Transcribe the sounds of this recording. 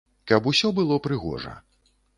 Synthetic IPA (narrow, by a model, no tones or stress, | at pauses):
kɐpusʲɔbɨlˠɔpɾɨɣɔ̰ʐɐ̰